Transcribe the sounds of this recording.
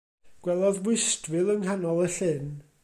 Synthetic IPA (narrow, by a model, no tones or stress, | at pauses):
ɡ̥wɛlˠɔðwɪstvɪlˠənhanɔlˠəɬɪn